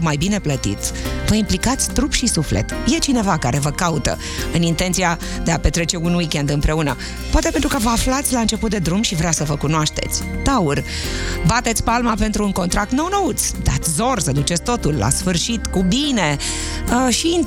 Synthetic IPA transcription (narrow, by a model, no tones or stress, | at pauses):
majbine̞plət̪ḭt̪ʲvəimplikat̪sʲt̪ɾupʃisuflḛt̪je̞t͡ʃine̞vakaɾe̞vəkaut̪ə̰ | ɨnint̪e̞nt̪sia | d̪e̞ape̞t̪ɾe̞t͡ʃe̞unwikʲe̞nd̪ɨmpɾe̞unə | poat̪e̞pent̪ɾukəvəaflat̪sʲlaɨnt͡ʃe̞put̪̚d̪e̞d̪ɾumʃivɾasəvəkunoaʃt̪e̞̰t̪sʲt̪aurʲ | bat̪e̞t̪sʲpalmape̞nt̪ɾuːŋko̞nt̪ɾak̚t̪nəwnəut̪sʲd̪at̪sʲzo̞rsəd̪ut͡ʃet̪sʲt̪o̞t̪ulla̰sfɨrʃit̪kubine̞ | əʃin